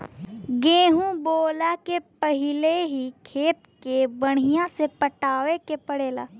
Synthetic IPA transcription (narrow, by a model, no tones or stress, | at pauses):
ɡẽːɦũboːlakepəɦɪleɦikʰeːt̪kebəɽ̤̃ɪjãsepəʈaːwekepəɽeːla̰ː